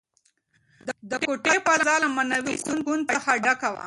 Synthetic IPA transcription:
d̪əd̪əkoʈepaɾazɑlamanawikunɡunpaxaɖakawa̰

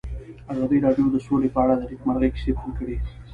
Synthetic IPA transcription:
azɑd̪iɾɑɖjod̪əsolepəaɽad̪aɾikmaɾɣeki̥sepunkəɽi

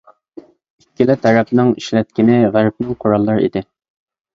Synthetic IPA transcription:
ikʲːilɪt̪ʰɛɾɛpnɪŋiʃlɛt̪̚kʲinɪʁæɾp̚nɪŋqʰoɾɑlˠːɨɾḭd̪ɪ

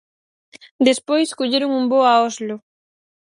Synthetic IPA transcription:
d̪espojskoʎeɾoŋumboaɔzlʊ

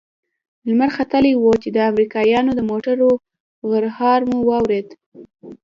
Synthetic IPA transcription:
lmaɾxat̪əlewot͡ʃed̪əamɾikɑjɑnod̪əmoʈaɾo | ɣəɾhɑɾmuwɑwɾed̪

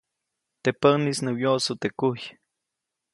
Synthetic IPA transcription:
t̪epənisnəwjosut̪ekuj

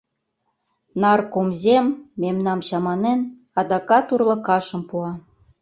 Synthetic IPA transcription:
nɑrkomzʲemːemnɑmɕɑmɑnen | ɑd̪ɑkɑt̪urlɤ̆kɑʃə̆mpuɑ

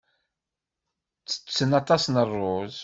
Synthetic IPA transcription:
t͡sːə̥t͡sːənɑt̪ˤɑsnərˤːʊz

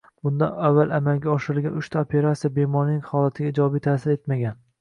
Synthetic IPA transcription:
b̥ʊnd̪a̰navːalamalɡʲaɒʃɪɾɪlɡʲanʊʃt̪ʰaopʰe̞ɾat̪sijabe̞mɒɾnɪŋhɒlat̪ʰɪɡʲaɪd͡ʒɒbijt̪ʰasɪɾe̞t̪maɡʲan

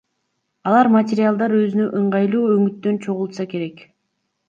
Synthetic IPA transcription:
ɑlˠɑɾmatʲɪɾʲɪalˠd̪ɑɾø̞zynøʔɯɴʁɑjlˠuːøŋyt̪ːø̞nt͡ʃʰo̞ʁulˠt̪sɑke̞ɾe̞k

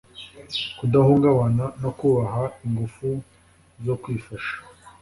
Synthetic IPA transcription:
kudahuŋɡaβanano̞kuβaɦaiŋɡufu | zo̞kwiːfaʃḁ

